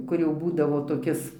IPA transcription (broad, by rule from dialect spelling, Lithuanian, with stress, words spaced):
ˈkʊr jɛʊ ˈbuːdɐʋoː toːˈkʲɪs